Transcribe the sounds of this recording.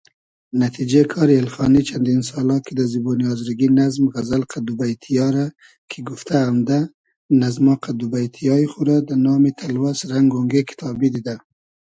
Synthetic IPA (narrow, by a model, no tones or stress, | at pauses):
nat̪ʰid͡ʒekʰɑːɾielxɑnit͡ʃʰand̪insɑlɑkid̪aziboniɑzɾiɡinazmɣazalqʰad̪ubajt̪ʰijɑɾa | kʰiɡʊft̪ʰaːmd̪a | nazmɑqad̪ubajt̪ʰijɑixuɾad̪anɑmit̪ʰalwasɾaŋɡoŋɡekʰɪ̥t̪ʰɑbid̪id̪a